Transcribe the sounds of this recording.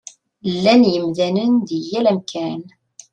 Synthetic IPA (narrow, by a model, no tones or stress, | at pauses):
lːænjəmðænənðəjːælæmkʰæn